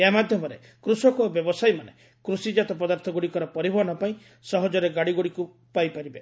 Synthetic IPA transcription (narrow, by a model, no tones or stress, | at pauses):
eamad̪ʱjɔmɔɾe | kɾusɔkɔbjɔbɔsajmane | kɾusid͡ʒat̪ɔpɔd̪aɾt̪ʰɔɡuɽikɔɾɔpɔɾibʱɔɦɔnɔpaĩ | sɔɦɔd͡ʒɔɾeɡaɽiɡuɽiku | pajpaɾibe